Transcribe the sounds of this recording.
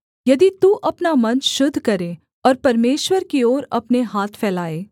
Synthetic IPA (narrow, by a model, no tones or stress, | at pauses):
jɐd̪it̪uʔɐpnamɐ̃nt͡ʃʃʊd̪ʱːkɐɾe | ɔːɾpɐɾmeːʃwəɾkioːɾɐpneɦaːt̪ʰfʰɛːlaːeː